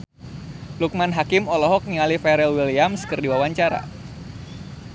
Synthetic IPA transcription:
luk̚manɦakɪmɔlɔɦɔk̚niŋalifɛɾɛlwiliamskɨrdiwawaɲt͡ʃaɾa̰

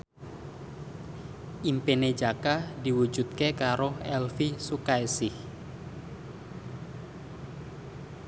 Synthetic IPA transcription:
ʔimpened͡ʒakadiwud͡ʒut̪̚kekaɾoɛlfisukaesɪh

